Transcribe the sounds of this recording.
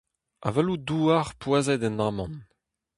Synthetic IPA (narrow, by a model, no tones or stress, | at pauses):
a̰vɛluduːaʁpwazɛd̪ɛnaːmɑ̃n